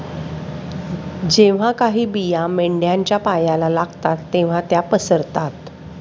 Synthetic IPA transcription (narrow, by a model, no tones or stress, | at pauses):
d͡ʑeʋ̤akaɦiːbijameɳɖjaɲt͡ɕjapajalalaɡt̪at̪ːeʋ̤at̪japəsəɾt̪at̪